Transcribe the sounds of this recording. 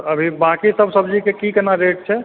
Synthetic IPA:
əbʱibakisəbʱsəbd͡ʒikekikenaɾeʈ̚t͡ʃʰɛ

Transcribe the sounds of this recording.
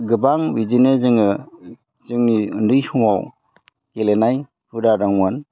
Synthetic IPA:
ɡɯbaŋwid͡ʒinezɯŋɯ | t͡ʃɯŋniɯndɯjsɔŋaw | kelenaj | huɾaɾaŋan

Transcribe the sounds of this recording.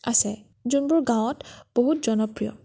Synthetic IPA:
asɛ | zunbʊɹɡãw̃ɔtb̥oɦutzɔnɔpɹijɔ̰

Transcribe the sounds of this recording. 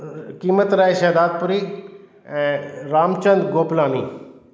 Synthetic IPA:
kiːmət̪ɾaeʃɐd̪aːd̪̚puɾi | ɛ̃ɾaːmt͡ʃənd̪ɡoːplaːnḭː

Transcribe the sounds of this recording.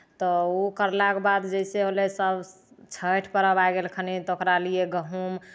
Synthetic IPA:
t̪ɔokəɾlakbad̪d͡ʒəseɦolesəb | t͡ʃʰəʈʰpəɾəbajɡelkʰənit̪okɾalieɡəɦum

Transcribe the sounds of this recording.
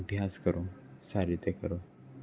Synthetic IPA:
bʱjaskəɾosaɾit̪ekəɾo

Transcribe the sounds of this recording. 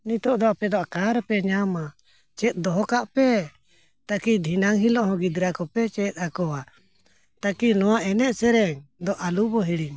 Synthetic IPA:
nit̪ɔʔd̪ɔapɛd̪ɔakaɾpɛɲama | t͡ʃɛt̪̚d̪ɔɦɔkaʔpɛ | t̪akid̪ʱinaŋɦilɔʔɦɔ̃ɡid̪ɾakɔpɛt͡ʃɛt̪̚ˀakɔwa | t̪akinɔwaʔɛnɛʔsɛɾɛŋd̪ɔʔalubɔɦiɽiɲ

